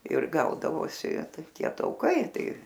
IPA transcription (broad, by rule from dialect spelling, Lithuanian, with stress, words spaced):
ɪr ˈɡɐʊdɐʋoːsʲɪ ˈtɐɪ ˈtʲiɛ ˈtɐʊkɐɪ ˈtɐɪ